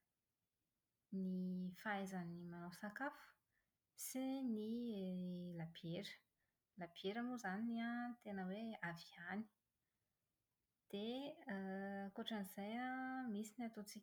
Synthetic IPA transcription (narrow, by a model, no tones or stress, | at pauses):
nifajzənimanosakafu̥ | sini | labieɾə̥ | labieɾamuzaniniat̪enəweaviani̥ | d̪̥e | koʈ͡ʂəniz̥ajamisiniat̪ot͡sikʲ